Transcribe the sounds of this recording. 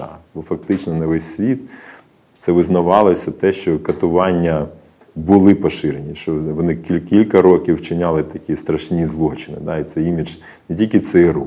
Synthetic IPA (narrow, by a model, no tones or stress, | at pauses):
ɑ̰bɔfɐk̚t̪ɪt͡ʃnɔnɐʋɛsʲsʲʋʲit̪̚ | t̪sɛʋɪznɐʋɑlˠɔsʲɐt̪ɛʃt͡ʃɔkɐt̪ʊʋɑnʲːɐ | bʊlˠɪpɔʃɪɾenʲiʃt͡ʃɔʋɔnɪkʲikʲilʲkɐɾɔkʲiwt͡ʃɪnʲalˠɪt̪ɐkʲist̪ɾɐʃnʲizlˠuɦɐt͡ʃɪnɪ̰d̪ɑit̪sɛimʲid͡ʒ | nɛtʲilʲkʲɪt̪sɛɾu